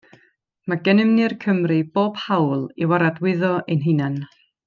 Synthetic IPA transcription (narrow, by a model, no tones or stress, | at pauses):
maɡɛnɪmnɨrkʰəmrɨb̥oːb̥hawlˠiwaɾadwɪðɔʔinɦɪnan